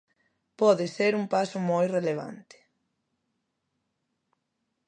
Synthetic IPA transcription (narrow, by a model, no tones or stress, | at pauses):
pɔðɪseɾuŋpasʊmojreleβ̞a̰nt̪ɪ̥